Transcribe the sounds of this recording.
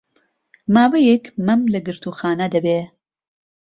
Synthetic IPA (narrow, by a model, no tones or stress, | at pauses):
maːwɐjekmɐmlɐɡɨɾt̪uːxaːnɐd̪ɐbe